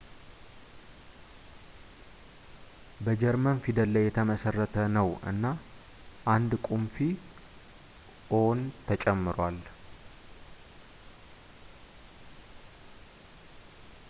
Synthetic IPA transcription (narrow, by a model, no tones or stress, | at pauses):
bəd͡ʒɛɾmənfid̪əlːəjːɛt̪ʰəməsərːət̪ʰənəwɨ̰nːa | ʔand̪kʼumfi | ʔont̪ʰət͡ʃʼɛmːɨɾwal